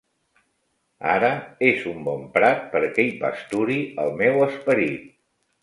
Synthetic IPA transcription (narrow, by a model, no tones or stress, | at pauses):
a̰ɾəezumbɔmpɾat̪̚pəɾkejpa̰st̪uɾiəlˠmɛwəspəɾit̪̚